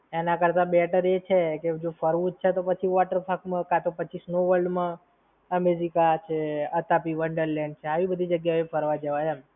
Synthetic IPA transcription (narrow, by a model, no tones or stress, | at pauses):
enakəɾt̪ãbɛʈəɾet͡ʃʰeked͡ʒofəɾʋũt͡ʃʰet̪opət͡ʃʰiʋɔʈəɾpʰakmãkat̪opət͡ʃʰisnoʋəlɖmã | əmed͡ʒikat͡ʃʰeət̪apiʋəɳɖəɾlɛɳɖ̚t͡ʃʰeaʋibəd̪ʱid͡ʒəɡjaepʰəɾʋad͡ʒəʋaɦam